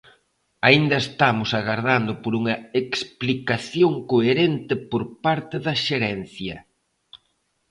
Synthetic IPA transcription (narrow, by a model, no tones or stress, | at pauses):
aind̪ɐest̪amʊsaɣaɾðand̪ʊpoɾuŋɐeksplikaθjoŋkoeɾent̪ɪpoɾpaɾt̪ɪðɐʃeɾɛn̟θjɐ